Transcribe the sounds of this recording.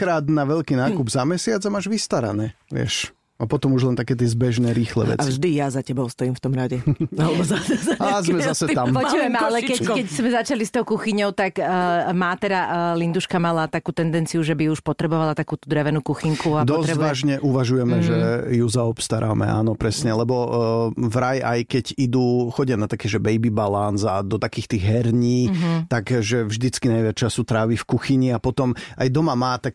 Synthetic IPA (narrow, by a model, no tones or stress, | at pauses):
kɾaːd̪naʋɛʎkiːnaːkubzamɛsɪad͡zamaːʒʋist̪aɾa̰nɛːʋɪɛ̰ʃ | apɔt̪ɔmuʒlɛnt̪akɛːt̪ɪɛzbɛʒnɛːɾiːxlɛ̰ːʋɛ̰ʔat͡sʒd̪ijazacɛbɔʊst̪ɔiːmft̪ɔmɾaɟɛalɛbɔzasɛzazmɛzasɛt̪ampɔʋɛmalɛkɛkɛczmɛzat͡ʃalist̪ɔʊkuxiɲɔʊt̪akːmaːt̪ɛd̪alind̪uʃkamalat̪akuːt̪ɛnd̪ɛnt͡sijuʒɛbiuʃpɔt̪ɾɛbɔʋalat̪akuːt̪ud̪ɾɛʋɛnukuxiŋkuad̪ɔzɛʋaːʒɲɛʔuʋaʒujɛmɛʒɛjuzaɔpst̪aɾʔa̰ːmɛ̰ʔa̰ːnɔpɾɛsɲɛlɛbɔ | vɾajajkɛɟid̪uːxɔɟɪjanat̪akɛːʒɛbɛjbibalanzad̪ɔt̪akiːxt̪iːɣɦɛɾɲiːt̪aɡʒɛvʒd̪it͡skinajʋɪat͡ʃasut̪ɾaʋifkuxiɲiapɔt̪ɔmajd̪ɔmamaːt̪ak̚